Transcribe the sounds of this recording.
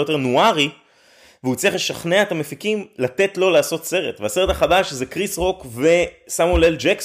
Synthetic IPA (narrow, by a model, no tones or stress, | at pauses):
jo̞t̪e̞ʁnuaʁi | veut͡sijaχleʃaχneaet̪amefikimlat̪e̞t̪lo̞laːso̞t̪se̞ʁet̪vease̞ʁet̪aχadaʃzekʁisʁo̞kve̞samuleld͡ʒeks